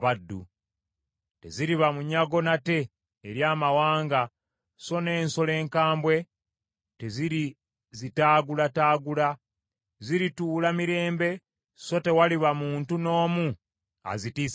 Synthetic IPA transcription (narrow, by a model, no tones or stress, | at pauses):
βadːṵ | te̞̰ziɾiβamuɲaɡo̞nate̞ː | ɾjaːmawaːŋɡa | so̞ne̞ːnso̞le̞ːŋkaːmbwe̞ | te̞ziɾi | zitaːɡulataːɡula | ziɾituːlamiɾe̞ːmbe̞ | so̞te̞waliβamuːntuno̞ːmu | a̰zitiːs